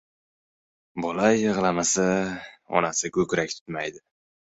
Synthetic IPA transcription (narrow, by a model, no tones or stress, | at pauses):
bolajːɨʁlˠamasaɒ̰nasɪkʰɵkʲɾakʲt̪ʰʊ̥t̪majd̪ɪ